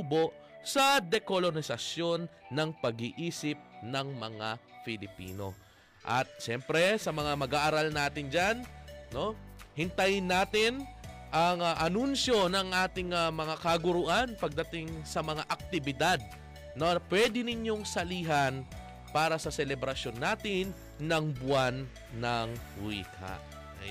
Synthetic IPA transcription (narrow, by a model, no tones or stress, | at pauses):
uːbo̞ʔ | sɐd̪ɛkolonɪsɐsjo̞nːɐŋpɐɡiʔiːsɪp̚nɐŋmɐŋafɪlɪpḭːno̞̰ | ʔɐ̰t̪̚ʃɛmpɾɛsɐmɐŋamɐɡaːʔaɾalnaːt̪ɪnd͡ʒanno̞hɪnt̪ajɪnːaːt̪ɪn | ʔɐŋʔɐnunʃo̞nɐŋʔaːt̪ɪŋamɐŋakɐɡʊɾʊʔanpɐɡ̚d̪ɐt̪ɪŋsɐmɐŋaʔɐk̚t̪ɪbɪd̪ad̪̚ | nɐpwɛd̪ɪnɪɲjo̞ŋsɐliːɦɐn | paːɾɐsɐsɛlɛbɾɐsjo̞nːaːt̪ɪnː | ɐŋbʊanː | ɐŋwḭːkʰa̰ʔ